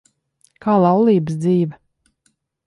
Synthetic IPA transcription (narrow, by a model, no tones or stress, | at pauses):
kʰaːlˠɑwlˠiːbəsd̪ziːvɐ